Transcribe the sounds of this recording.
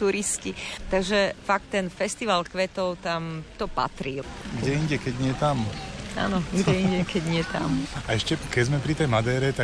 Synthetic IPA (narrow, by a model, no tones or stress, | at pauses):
t̪uɾiscit̪aɡʒɛfak̚t̪ːɛnfɛst̪iʋalkʋɛt̪ɔʊt̪amt̪ɔpa̰t̪ɾiɡɟɛiɲɟɛkɛɟɲɪɛt̪ama̰ːnɔɡɟɛiɲɟɛkɛɟɲɪɛt̪a̰maɛʃcɛkɛɟzmɛpɾit̪ɛjmad̪ɛːɾɛt̪a